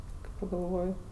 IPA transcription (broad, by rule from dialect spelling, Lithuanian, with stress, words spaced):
kɐɪ pɐɡɐlˠˈʋoːj